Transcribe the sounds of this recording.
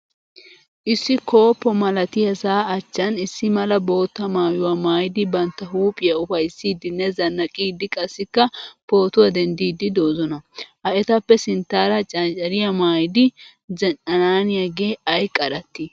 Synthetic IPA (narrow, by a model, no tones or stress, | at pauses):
ʔɪsːɪko̞ːpːɔmɐlɐt̪ɪjɐsaːɐt͡ʃːɐnɪsːɪmɐlɐbo̞ːt̪ːɐmaːjʊwɐmaːjd̪ɪbɐnt̪ːɐɦuːpʼɪjɐʊfɐjsːiːd̪ɪnːɛzɐnːɐkʼiːd̪ɪkʼɐsːɪkːɐpo̞ːt̪ʊwɐd̪ɛnd̪iːd̪ɪd̪oːzɔnɐʔɐʔɛt̪ɐpːɛsɪnt̪ːaːɾɐt͡ʃʼɐnt͡ʃʼɐɾɪjɐmaːjd̪ɪ | zɛnɐnaːnɪjɐɡe̞ːɐjkʼɐɾɐt̪ːɪ